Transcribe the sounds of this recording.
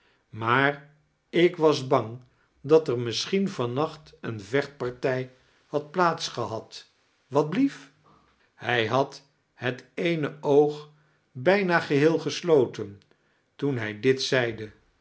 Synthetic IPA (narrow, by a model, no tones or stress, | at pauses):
maːɹ | ɪkʋɑzbɑŋ | dɑtəɹmɪsχinv̥ɑnɑχtənvɛχt̚pɑɹtɛj | hɑt̚plaːtsχəɦɑt | ʋɑd̚blif | hɛjɦɑt | ɦətejnəowχ | bɛjnaːχəɦɪːlˠχəslowtən | tunɦɛjdɪtsɛjdə